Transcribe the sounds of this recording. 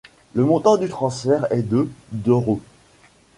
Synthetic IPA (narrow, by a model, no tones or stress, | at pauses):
ləmɔ̃t̪ɑ̃d̪yt̪χɑ̃sfɛʁɛd̪əd̪ɔʁo